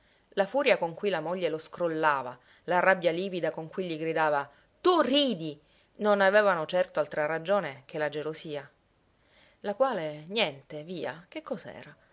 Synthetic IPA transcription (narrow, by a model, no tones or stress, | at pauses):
lafuːɾjakoŋkwuilamoʎːeloskɾolːaːva | larabjaliːvid̪akoŋkwiʎːiɡɾid̪aːva | t̪uriːd̪i | nonavɛːvanot͡ʃɛrt̪oalt̪ɾarad͡ʒoːnekelad͡ʒelosiːa | lakwaːlenjɛnt̪eviːak̟ekːɔzaɛ̰ːɾa